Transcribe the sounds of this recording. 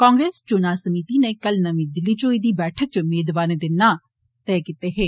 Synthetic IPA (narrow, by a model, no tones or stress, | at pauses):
kãːŋɡɾeːst͡ʃonaːsəmiːt̪iːneːkəlnəmĩːd̪ɪlːiːt͡ʃoːiːd̪iːbɛːʈʰək̚t͡ʃəmeːd̪ʋaːɾẽd̪ɪnːaː | t̪ɛːkit̪eːɦeː